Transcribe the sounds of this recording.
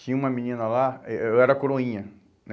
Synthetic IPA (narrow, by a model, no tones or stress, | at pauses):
t͡ʃĩɲɐ̃ũmɐmĩnĩnɐlaeɛɾɐkoɾõĩɲɐ | n